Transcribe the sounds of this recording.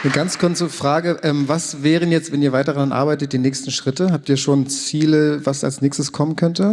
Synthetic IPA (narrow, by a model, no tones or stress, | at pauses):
nəɡant͡skʰʊɐt͡səfʁ̥aːɡəʔɛːmvasvɛːʁ̞ənjɛt͡stv̥ɛniːɐvaɪtɐʁanʔa̰ɐbaɪtət̚d̥iːnɛːçstn̩ʃʁ̥ɪtəhaːp̚tiːɐʃoːnt͡siːləvasa̰lsnɛːçstəskʰɔmənkʰœntə